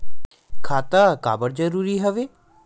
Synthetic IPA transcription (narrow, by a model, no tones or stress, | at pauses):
kʰaːt̪aːka̰ːbəɾd͡ʒəɾuːɾiːɦəʋeː